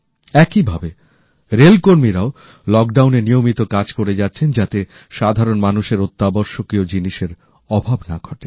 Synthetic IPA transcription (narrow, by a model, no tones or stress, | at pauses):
ɛkibʱabe | ɾelkoɾmiɾao | lɔk̚ɖawnenijomit̪okad͡ʑkoɾed͡ʑatːɕʰend͡ʑat̪e | ʃad̪ʱaɾonmanuʃeɾot̪ːabɔɾʃokɾiod͡ʑiniʃeɾ | ɔbʱabnaɡʱɔʈe